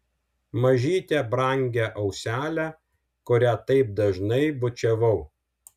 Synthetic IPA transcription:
mɐʒʲiːt̪ʲɛbɾɐˑŋʲɡʲæʔɐʊsʲæːlʲæ | kʊɾʲæt̪ɐɪp̚d̪ɐʒnɐɪbʊt͡ʃʲɛʋɐʊ

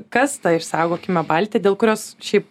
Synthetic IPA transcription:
kɐst̪ɐɪʃsɑˑʊɡoːkʲɪmʲɛbɐlʲt̪ʲɛd̪ʲeːlˠkʊɾʲoːsʃʲɛɪp

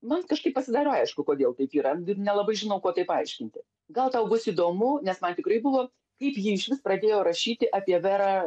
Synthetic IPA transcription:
mɐnkɐʃkɐɪpːɐsʲɪd̪ɑːɾoːɐɪʃkʊkoːd̪ʲeːlˠt̪ɐɪpiːɾɐɡʲɪnʲɛlˠɐbɐɪʒʲɪnɐʊkoːt̪ɐɪpɐɪʃʲkʲɪnʲt̪ʲɪ | ɡɐlˠt̪ɐʊbʊsɪd̪oːmʊnʲɛsmɐnt̪ʲɪkɾɐɪbʊʋoː | kɐɪpjiːɪʃʋʲɪsprɐd̪ʲeːjoːɾɐʃʲiːt̪ʲɪʔɑːpʲiɛʋʲɛɾɑː

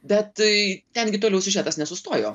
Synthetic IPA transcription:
bʲɛt̪t̪ʲɛnɡʲɪt̪oːlɛʊsʲɪʒʲæːt̪ɐsnʲɛsʊst̪oːjo̰ː

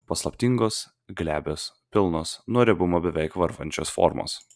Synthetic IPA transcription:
pɐslˠɐpʲt̪ʲɪŋɡoːs | ɡlʲæːbʲoːspʲɪlˠnoːsnuɔɾʲɛbʊmoːbʲɛʋʲɛɪkʋɐɾʋɐnʲt͡ʃʲoːsfɔ̰ːɾmo̰ːs

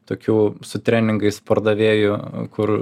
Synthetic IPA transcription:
t̪oːkʲuːsʊt̪ʲɾʲæːnʲɪŋɡɐɪspɐɾd̪ɐʋʲeːjʊkʊr

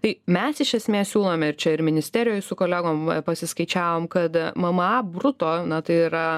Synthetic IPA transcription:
t̪ɐɪmʲɛsɪʃʲɛsʲmʲeːssʲuːlˠoːmʲɛɪɾt͡ʃʲɛɪɾmʲɪnʲɪsʲt̪ʲæːɾʲɪjoːjsʊkoːlʲæɡoːmpɐsʲɪskɐɪt͡ʃʲæːʋoːmkɐt̪mɐmɐbrʊt̪oːnɐt̪ɐɪiɾɐ

